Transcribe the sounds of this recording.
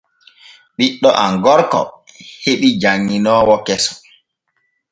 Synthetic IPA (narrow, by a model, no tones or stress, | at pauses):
ɓiɗːɔʔaŋɡɔɾkɔ̰heɓid͡ʒaŋːinɔːwɔkɛsɔ̥